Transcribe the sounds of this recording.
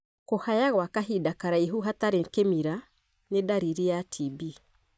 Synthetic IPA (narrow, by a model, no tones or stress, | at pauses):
kohajaɣwakaɦidakaɾaiɦuɦataɾeŋkemiɾa | nedaɾiɾiatʰibi